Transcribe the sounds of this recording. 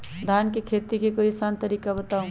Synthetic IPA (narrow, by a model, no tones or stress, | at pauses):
d̪ʱaːnkekʰet̪ikekoisant̪əɾiːkabət̪aːũ